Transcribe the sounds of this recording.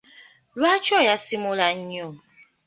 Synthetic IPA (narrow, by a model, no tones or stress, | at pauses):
lwat͡ʃɔjasimʊlaɲ̩o